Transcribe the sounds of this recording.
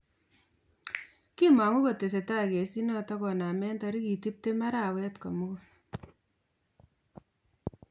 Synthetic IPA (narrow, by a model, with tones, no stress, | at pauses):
ki˦ma˨ŋu˦ko˨te˨s̬e˨ta˦ke˨si˦nɔ˦tɔ˦kɔ˨na˨mɛ˦nta˧ɾi˦ki˨ti˦p̚te˦ma˦ɾa˦wɛ˦tko˨mu˦ku˦